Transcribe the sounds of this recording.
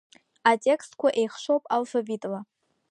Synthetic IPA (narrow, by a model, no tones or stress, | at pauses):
atʲʼe̞kʰstkʷʰaʔe̞jχʃʷo̞wpʼalfabitʼla